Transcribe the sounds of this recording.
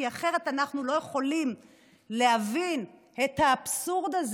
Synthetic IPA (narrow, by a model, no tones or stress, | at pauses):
iaχe̞ʁet̪anaχnulo̞jeχo̞lim | leɦavin | et̪haːbsuʁd̪az